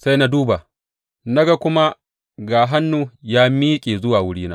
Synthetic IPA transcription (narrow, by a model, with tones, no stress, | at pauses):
sa˦jna˦duː˦ba˨ | na˦ɡa˦kʷʊ˦ma˦ | ɡaː˨ɦa˦nːu˦jaː˦miː˦kʲʼeː˨zʊ˦waː˨wʊ˦ɽiː˦naː˦